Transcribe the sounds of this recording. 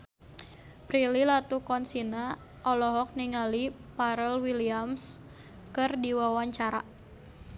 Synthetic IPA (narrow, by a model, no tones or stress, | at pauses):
pɾililat̪ukɔnsina | ʔɔlɔɦɔk̚niŋalipaɾəlwiliams | kɨrdiwawaɲt͡ʃaɾa̰